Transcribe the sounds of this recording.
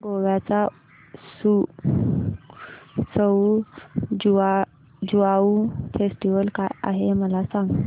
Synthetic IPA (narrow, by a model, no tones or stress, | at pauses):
ɡoʋjat͡sa | su | sə | d͡ʑua | d͡ʑuʋaufesʈiʋəlkaja̰ɦeməlasaŋɡ